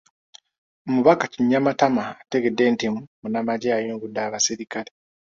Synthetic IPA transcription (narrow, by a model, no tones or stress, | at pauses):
omuβakaciɲːamatamaːte̞ɡe̞dːe̞ːntimumunamaɟeajuːŋɡudːaːβasiɾikale